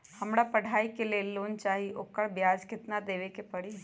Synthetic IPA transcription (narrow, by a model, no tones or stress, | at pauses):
hɐmɽapɐɽ̤ʱaːikeleːloːnt͡ʃaːɦiokəɽbjaːd͡ʒkɪt̪nad̪eːʋekepɐɽi